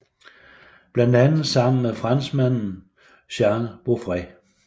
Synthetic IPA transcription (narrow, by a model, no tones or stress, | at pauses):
b̥lænd̥ænð̩ˠsɑ̈m̰n̩mefʁɑnsmæn̰n̩ | ɕæɐnəb̥ofʁɛ